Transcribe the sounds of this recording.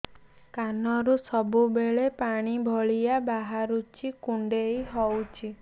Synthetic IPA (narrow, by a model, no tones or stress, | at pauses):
kanɔɾusɔbubeɭepaɽ̃ibʱɔɭijabaɦaɾut͡ʃʰikuɳɖejɦɔwt͡ʃʰi